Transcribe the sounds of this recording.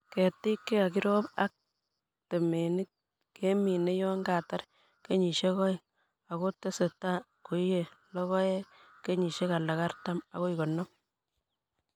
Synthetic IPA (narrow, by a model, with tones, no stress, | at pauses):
ke˨ti˦kːe˦a˨ki˦ɾo˦pa̰˦k̚ | te˨me˨ni˦k̚ | ke˦mi˨ne˦jɔ˦ŋɡa˨ta˦ɾ | ke˦ɲi˨ʃe˦kɔ˦j | a˨ko˦te˦se˨ta˦ | ko˨˦je˨lɔ˦kɔ˦je˦ | ke˦ɲi˨ʃe˦ka˨la˨ka˦ɾta˦ma̰˨ko˦i˨kɔ˨nːɔ˦m